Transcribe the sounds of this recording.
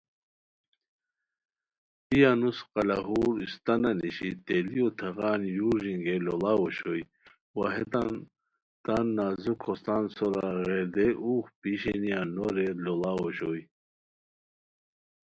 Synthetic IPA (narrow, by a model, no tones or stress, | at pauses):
ijanusqɑlaɦuːɾist̪ɐnaniɕit̪elijot̪ʰɐʁaːnjuɾʑiŋɡelolawoɕoj | waɦet̪an | t̪anːaːzukʰost̪ansoɾa̰ɣeɾd̪eʔuːxpiɕenijanoɾelolawoɕoj